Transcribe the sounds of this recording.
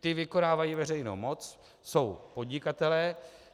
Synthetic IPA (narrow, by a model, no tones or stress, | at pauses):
t̪ɪvɪko̞naːvajiːvɛrɛjno̰wmo̞t͡s | so̞wpo̞dɲɪkat̪ɛlɛː